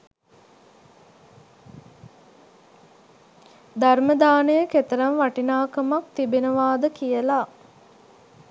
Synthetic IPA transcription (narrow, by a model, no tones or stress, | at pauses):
d̪arməd̪aːnəjəket̪əɾɐnʋaʈinaːkəmak̚t̪ibenəʋaːd̪əkijəla